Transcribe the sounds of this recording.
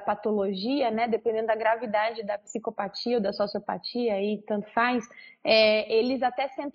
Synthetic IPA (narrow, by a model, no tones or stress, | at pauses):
pat̪oloʒiɐnɛd̪epẽd̪ẽnd̪ʊd̪ɐɡɾavid̪ad͡ʒɪd̪ɐpi̥sikopat͡ʃiɐod̪ɐsosiopa̰t͡ʃiɐit̪ɐ̃nt̪ʊ̥fajsɛelɪzat̪ɛsẽnt̪